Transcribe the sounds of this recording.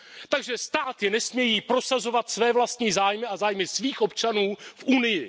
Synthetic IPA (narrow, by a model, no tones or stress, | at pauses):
t̪aɡʒɛst̪aːt̪jɛnɛsmɲɛjiːpɾo̞sazo̞vat̪svɛːvlast̪ɲiːzaːjmɪazaːjmɪsviːxʔo̞pt͡ʃanuːfʔunɪjɪ